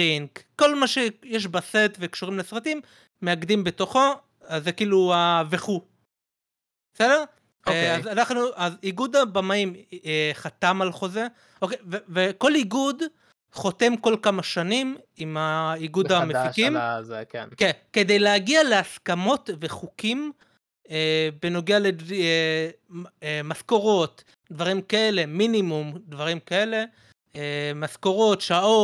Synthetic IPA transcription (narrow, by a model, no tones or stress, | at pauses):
iŋkko̞lmaʃe̞jeʃ̬baset̪vekʃuʁimlesʁat̪imː | e̞aɡdimbet̪o̞χo̞ | azːekiːluaveχu | bese̞d̪eʁ | azanaχnuʔaziɡud̪abamaimeχat̪amalχo̞ze | o̞kejveveko̞liɡud̪ | χo̞t̪e̞mko̞lkamaʃanimimaiɡudamefikimkenkeke̞d̪ejleaɡiale̞askamo̞tveχukim | ebeno̞ɡeale | emasko̞ʁo̞t̪ | d̪vaʁimkae̞le̞minimumd̪vaʁimkae̞le̞ | emasko̞ʁo̞t̪ʃao̞